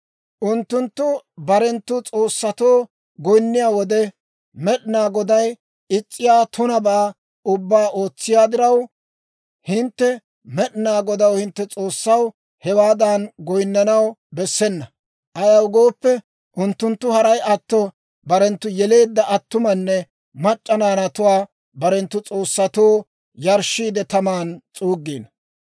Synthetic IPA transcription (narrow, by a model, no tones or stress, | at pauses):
ʔʊnt̪ːʊnt̪ːʊbɐɾɛnt̪ːʊt͡sʼo̞ːsːɐt̪o̞ː | ɡɔjnːɪjaːwɔd̪ɛ | mɛɗɪnaːɡɔd̪ɐj | ɪt͡sʼːɪjaːt̪ʰʊnɐbaː | ʊbːaːʔo̞ːt͡sːɪjaːd̪ɪɾɐw | hɪnt̪ːɛ | mɛɗɪnaːɡɔd̪ɐwhɪnt̪ːɛt͡sʼo̞ːsːɐw | hɛwaːd̪anɡɔjnːɐnɐwbɛsːɛnːɐ | ʔɐjɐwɡo̞ːpːɛ | ʔʊnt̪ːʊnt̪ːʊhɐɾɐjʔɐt̪ːɔ | bɐɾɛnt̪ːʊjɛle̞ːd̪ːɐʔɐt̪ːʊmɐnːɛ | mɐt͡ʃʼːɐnaːnɐt̪ʊwaː | bɐɾɛnt̪ːʊt͡sʼo̞ːsːɐt̪oː | jɐɾʃːiːd̪ɛt̪ɐmaːnt͡sʼuːɡːiːn